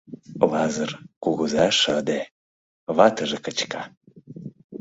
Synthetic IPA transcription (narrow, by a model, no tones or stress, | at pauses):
lɑzərkuɣuzɑʃəd̪e | βɑt̪əʒekət͡ɕkɑ